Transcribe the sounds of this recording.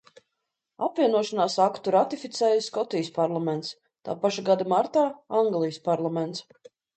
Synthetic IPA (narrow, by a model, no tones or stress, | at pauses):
apviɛnuɔʃanaːsakt̪uɾat̪ifʲit̪sɛːjskɔt̪ijspaɾlˠamɛnt̪s | t̪a̰ːpaʃaɡad̪amaɾt̪aːaŋɡlˠijspaɾlˠamɛnt̪s